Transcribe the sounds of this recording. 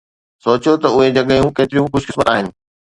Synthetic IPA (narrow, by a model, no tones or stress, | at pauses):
soːt͡ɕijot̪ɐʊɦed͡ʑɐɡəjũkeːt̪ɪɾijũxʊd͡ʑkɪsmət̪aːɦɪnɪ̆